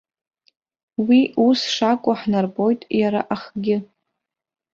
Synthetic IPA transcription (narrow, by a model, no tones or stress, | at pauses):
wiusʂakʷʼʊħnarbʼo̞jtʼjaɾa̰ʔaχɡʲɪ